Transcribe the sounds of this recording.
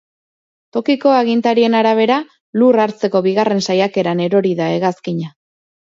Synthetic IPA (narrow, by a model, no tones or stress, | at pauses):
t̪o̞kiko̞aɣint̪aɾie̞naɾaβ̞e̞ɾa | luraɾt͡se̞ko̞βiɣare̞nsajake̞ɾane̞ɾo̞ɾiðae̞ɣaskiɲa